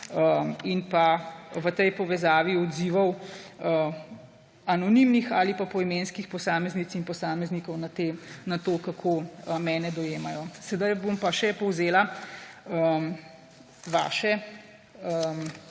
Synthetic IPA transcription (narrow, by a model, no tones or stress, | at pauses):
əinpaʋət̪ɛjpɔʋɛzaːʋiɔd̪ziʋɐwə | anɔnimnixaːlipapɔimeːnskixpɔsaːmɛznit̪sinpɔsaːmɛznikɔwnat̪eːnat̪oːkakʰoːəmɛːnɛd̪ɔjeːmajɔsɛd̪ajbompaʃɛpɔwzeːla | əm | ʋa̰ːʃɛ | əm